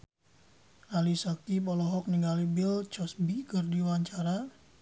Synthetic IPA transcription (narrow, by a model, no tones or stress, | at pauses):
ʔalisakipɔlɔɦɔk̚niŋɡalibɪlt͡ʃɔsbikərdiwaɲt͡ʃaɾa